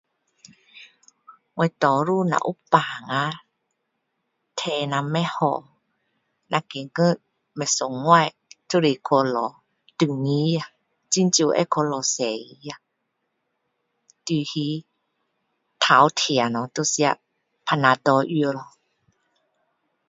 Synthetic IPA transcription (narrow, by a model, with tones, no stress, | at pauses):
ŋɔ˧jt̪ɔ˨˦ɾu˧˨na̰˧˨ʔu˦paː˨ŋa˧˦ | t̪ʰɛ˧na˧˨mɛ˧˦hɔ̰˧˨ | na˧ke˨ŋə˧˥˨t̚ | mɛ˧˨so˨˦ŋːwa˥˧˨j | tu˧ɾi˧˨kʰo˧lɔ˨˦ | tɯ˧˨ŋːi˧˦ja˧ | t͡ɕi˧˨nt͡ɕu˧˨ʔɛ̰˧˦kʰo˧˦lɔ˨˧˦sɛ˨˦˧ja˧ | t̪i˧˨hi˧˦ | t̪ʰaː˨˦wt̪ʰi˨a˨nɔ˨˦t̪o˧si˧a˧˨ | pʰa˧na˧d̪ɔ˧˦ʔi˧ə˧lɔ˧˨